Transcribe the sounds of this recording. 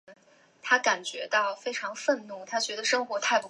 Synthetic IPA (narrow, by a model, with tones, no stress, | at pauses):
t̪ʰa˥ka˨˩nt͡ɕɥɛ̰˧˥t̪ɑ˥˩ʊfe˥ɪʈ͡ʂʰɑ˧˥ŋfə˥˧nnu˥˩t̪ʰa˥t͡ɕɥɛ˧˥d̪ə˧ʂɤ˥ŋxwɔ˧˥t̪ʰa˥˩ɪpu˧˥